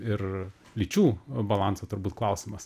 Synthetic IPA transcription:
ɪr | lʲit͡ʃʲuːbɐlˠɑnsɐt̪ʊɾbuːt̪̚klˠɐʊsʲɪmɐs

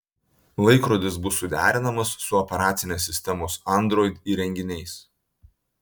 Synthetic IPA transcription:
lˠɐɪkɾoːd̪ʲɪsbʊsːʊd̪ʲæ̰ːɾʲɪnɐmɐsːʊɔpʲɛɾɑːt̪sʲɪnʲeːs̬ʲːɪsʲt̪ʲɛmoːsɐnd̪ɾɔːɪd̪ʲiːɾʲɛŋʲɡʲɪnʲɛɪs

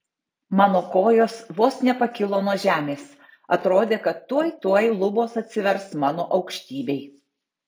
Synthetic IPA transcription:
mɑːnoːkoːjoːsʋoːsnʲɛpɐkʲɪlˠoːnuɔʒʲæːmʲeːs | ɐt̪ɾoːd̪ʲeːkɐt̪ːuɔjt̪uɔjlˠʊboːsɐt̪ʲsʲɪʋʲɛɾsmɑːnoːʔɒʊkʃʲt̪ʲiːbʲɛɪ

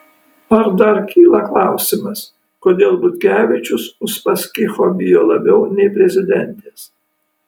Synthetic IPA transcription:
ɐɾd̪ɐɾkʲʰiːlˠɐklˠɑˑʊsʲɪmɐs | koːd̪ʲeːlˠbʊt̪ʲɡʲæːʋʲiɛt͡ʃʲʊsʊspɐsʲkʲɪxoːbʲɪjoːlˠɐbʲɛʊnʲɛɪpʲɾʲɛzʲɪd̪ʲɛnʲt̪ʲeːs

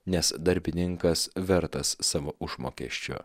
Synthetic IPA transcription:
nʲɛsd̪ɐɾʲbʲɪnʲɪŋkɐsʋʲɛɾt̪ɐsːɑːʋoːʔʊʒmo̰ːkʲɛ̰ʃʲt͡ʃʲʊ̰

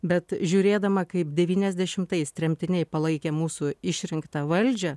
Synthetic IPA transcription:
bʲɛt̪ʒʲuːɾʲeːd̪ɐmɐkɐɪpd̪ʲɛʋʲiːnʲɛzʲd̪ʲɛʃʲɪmt̪ɐɪst̪ʲɾʲɛmʲt̪ʲɪnʲɛɪpɐlˠɐɪkʲɛːmuːsʊɪʃʲɾʲɪŋkt̪ɐʋɐlʲd͡ʒʲɛ

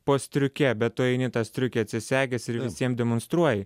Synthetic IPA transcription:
poːsʲt̪ʲɾʲʊkʲɛbʲɛt̪̚t̪oːɛɪnʲɪt̪ɑsʲt̪ʲɾʲʊkʲɛɐt̪ʲsʲɪsʲæːɡʲɛsɪɾʋʲɪsʲiɛmd̪ʲɛmonst̪ɾuɔjɪ

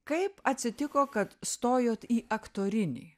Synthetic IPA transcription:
kɐɪpɐt̪ʲsʲɪt̪ʲɪkoːkɐt̪st̪oːjoːt̪iːʔɐkt̪oːɾʲɪnʲḭː

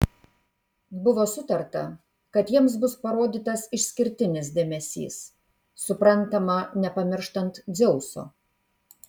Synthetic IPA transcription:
bʊʋoːsʊt̪ɐɾt̪ɐ̰ | kɐt̪jiɛms̬bʊspɐɾoːd̪ʲiːt̪ɐsɪʃʲsʲkʲɪɾʲt̪ʲɪnʲɪs̬d̪ʲeːmʲɛsʲḭːsː | ʊpɾɐnˑt̪ɐmɐnʲɛpɐmʲɪɾʃt̪ɐnt̪d̪zʲɛʊso̰ː

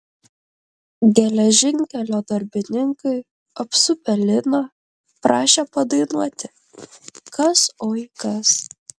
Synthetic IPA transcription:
ɡʲɛlʲɛʒʲɪŋʲkʲɛlʲoːd̪ɐɾʲbʲɪnʲɪŋkɐɪ | ɐpsʊpʲɛlʲɪnɐ | pɾɑːʃʲepɐd̪ɐɪnuɔt̪ʲɪ | kɐsoːjkɐs

